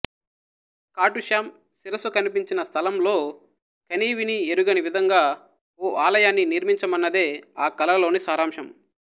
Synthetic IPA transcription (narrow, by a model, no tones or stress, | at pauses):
kaːʈuʃaːm | siɾɐsukɐnipiɲt͡ʃinɐst̪ʰɐlɐmlo̞ː | kɐniːʋinieɾuɡɐniʋid̪ʱɐŋɡaː | oːʔaːlɐjaːnːiniɾmiɲt͡ʃɐmɐnːɐd̪eːaːkɐlɐlo̞ːnisaːɾaːmʂɐm